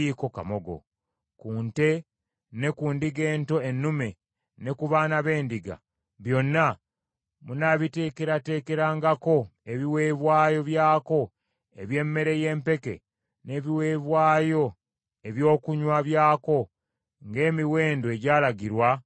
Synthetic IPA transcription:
iko̞ka̰mo̞ɡo̞̰ | kuːnte̞ | ne̞kuːndiɡe̞ːnto̞enːume̞ | ne̞kuβanaβe̞ːndiɡa̰ | βjo̞nːa | munaβite̞ːkeɾate̞ːke̞ɾaːŋɡako̞e̞βiwe̞ːβwaːjo̞βjaːko̞ | e̞βje̞ːmːe̞ɾe̞je̞ːmpe̞ke̞̰ | ne̞βiwe̞βwaːjo̞ | e̞βjo̞ːkuɲwaβjaːko̞ | ŋɡe̞ːmiwe̞ːndoeɟaːlaɟiɾwa

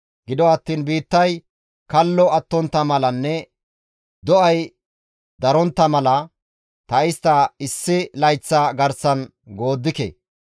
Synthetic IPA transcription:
ɡɪd̪ɔɐt̪ːiːnbiːt̪ːɐj | kɐlːɔɐt̪ːɔnt̪ːɐmɐlɐnːɛ | d̪ɔʔɐj | d̪ɐɾɔnt̪ːɐmɐlɐ | t̪ɐɪst̪ːɐɪsːɪlɐjt͡sːaɡɐɾsɐn | ɡo̞ːd̪ːɪkɛ̰

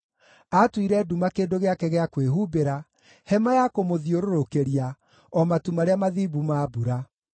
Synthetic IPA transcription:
atwiɾɛːdumakeːndoɣeakɛɣeakweɦubeɾa | hɛmajakomoðioɾoɾokeɾia | ɔmatumaɾeamaðiːbumaːbuɾa

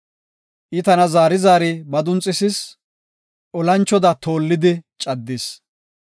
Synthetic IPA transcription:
ʔɪt̪ɐnɐzaːɾɪzaːɾɪbɐd̪ʊnt͡sʼːɪsɪs | ʔɔlɐnt͡ʃːɔd̪ɐt̪o̞ːlːɪd̪ɪt͡ʃʼɐd̪ːɪs

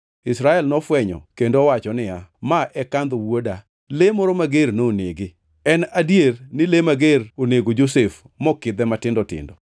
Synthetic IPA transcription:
ɪsɾaɛlnɔfwɛɲɔ̰kendowat͡ʃɔnɪjamaʔɛkand̪owoda | lemɔɾomaɡernoneɡɪ | ɛnadjernɪlemaɡeɾoneɡod͡ʒosef | mɔkɪd̪ɛmatɪndɔtɪ̰ndɔ

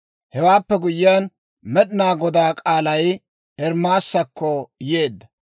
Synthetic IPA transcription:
hɛwaːpːɛɡʊjɪjaːn | mɛɗɪnaːɡɔd̪aːkʼaːlɐj | ʔɛɾmaːsːɐkːɔje̞ːd̪ːɐ

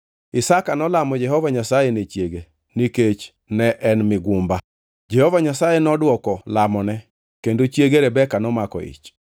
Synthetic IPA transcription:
ɪsakanɔlamɔd͡ʒɛhɔvaɲasajenet͡ʃjeɡe | niket͡ʃ | nɛʔɛnmɪɡʊmba | d͡ʒɛhovaɲasajɛnɔdwɔkɔlamɔnɛ | kendot͡ʃjeɡeɾɛbɛkanɔmakɔ̰ḭt͡ʃ

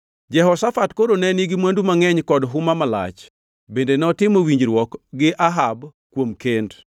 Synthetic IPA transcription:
d͡ʒɛɦɔsafatkoɾonɛniɡɪmwandumaŋɛɲkɔdɦʊmamala̰t͡ʃ | bendenɛɔtɪmowiɲd͡ʒɾwɔkɡɪʔaɦabkwomkend

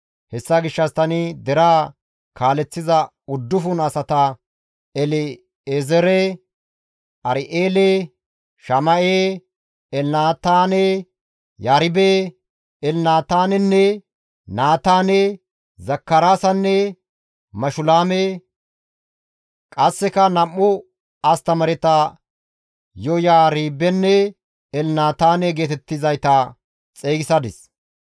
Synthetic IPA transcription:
hɛsːaɡɪʃːɐst̪ɐnɪd̪ɛɾaː | kʰaːlɛt͡sːɪzɐ | ʊd̪ːʊfʊnɐsɐt̪ɐ | ɛlɪ | ezɛɾɛ | ʔɐɾɪʔeːlɛ | ʃɐmɐʔe | ɛlnaːt̪aːnɛ | jaːɾɪbeː | ɛlnaːt̪aːnɛnːɛ | naːt̪aːnɛ | zɐkːɐɾaːsɐnːɛ | mɐʃʊlaːme | kʼɐsːɛkɐnɐmːʊ | ɐst̪ɐmɐɾɛt̪ɐ | jɔjaːɾiːbːɛnːɛ | ɛlnaːt̪aːnɛɡeːt̪ɛt̪ːɪzɐjt̪ɐ | t͡sʼeːɡɪsɐd̪ɪs

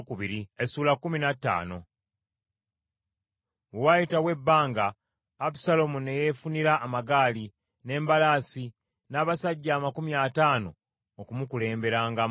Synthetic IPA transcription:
kuβiɾiesuːlakːuminatːa̰ːno̞ | wajitawe̞bːaːŋɡaː | pu̥salo̞mune̞je̞funiɾaʔːmaɡaːli | ne̞ːmbalaːsi | naːβasaɟːaːmakumjaːtaːno̞ː | kumukule̞ːmbe̞ɾaːŋɡa

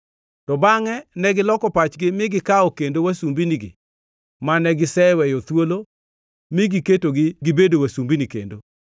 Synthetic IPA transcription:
tɔbaŋɛnɛɡɪlɔkɔpat͡ʃɡɪmɪɡɪkaɔkendowasumbiniɡɪ̰ | manɛɡɪsɛwɛjot̪wolo | mɪɡiketoɡɪɡɪbedowasumbinikḛndo

